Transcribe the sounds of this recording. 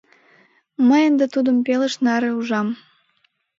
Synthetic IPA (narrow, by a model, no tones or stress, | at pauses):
məjənd̪et̪ud̪ə̆mpeləʃnɑɾĕuʒɑm